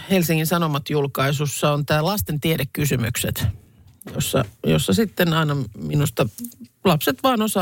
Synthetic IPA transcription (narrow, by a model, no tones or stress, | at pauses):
helsiŋːinsɑnomɑt̪julkɑisusːɑont̪æːlɑst̪ent̪ieɾekːysymy̰ksḛt̪ | josːɑ̰jo̰sːɑsit̪ːenɑinɑminust̪ɑlɑpset̪ʋɑːnosɑ